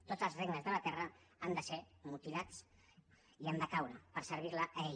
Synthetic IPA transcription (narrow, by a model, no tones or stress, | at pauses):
t̪od͡zəlˠzreɡnəzðələt̪ɛrə | and̪əsemut̪ilat͡s | iand̪əkawɾəpəɾsəɾβ̞iɾləe